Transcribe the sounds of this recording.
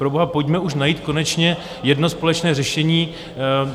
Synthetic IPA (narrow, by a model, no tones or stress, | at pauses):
pɾoboɦapocmɛuʃ̬najiːt̪ko̞nɛt͡ʃɲɛ | jɛdno̞spo̞lɛt͡ʃnɛːrɛʃɛɲiː